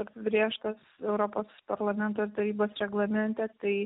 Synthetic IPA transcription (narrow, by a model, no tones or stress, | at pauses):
ɐɾpʲbʲɾʲeːʃt̪ɐsɛʊɾoːpoːspɐɾlˠɐmʲɛnt̪oːɪɾt̪ɐɾʲiːboːsɾʲɛɡlˠɐmʲɛnʲt̪ʲɛt̪ɐɪ